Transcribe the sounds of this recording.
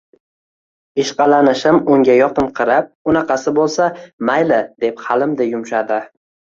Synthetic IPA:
ɪʃqɑlanɪʃɪmʊŋʲajɒqɨnqʰɨɾap̚ʊnɑqʰɑsɪbolˠsamajlɪd̪̥e̞phɑlɪmd̪ajʊmʃad̪ɪ

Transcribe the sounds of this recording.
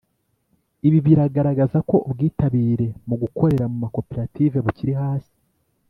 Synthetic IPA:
iβiβiɾaɡaɾaɡazako̞ubɡiːtaβiːɾe̞muɡukʰo̞ɾe̞ɾamumako̞peɾative̞βuciɾiɦaːsi̥

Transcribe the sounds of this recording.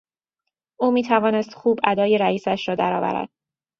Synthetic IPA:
ʔuːmiːt̪ʰævɒːnest̪xuːbʔæd̪ɒːjeɾæiːsæʃɾɒːd̪æɾɒːvæ̰ɾæ̰d̪̥̚

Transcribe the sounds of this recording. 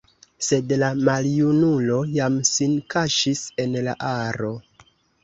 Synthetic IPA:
se̞dlamaljunulo̞jamsinkaʃise̞nla̰ʔaɾo̞

